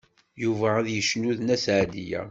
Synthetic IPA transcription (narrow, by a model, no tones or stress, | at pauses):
juvææðjəʃnuðnæsʕad̪ijæ̰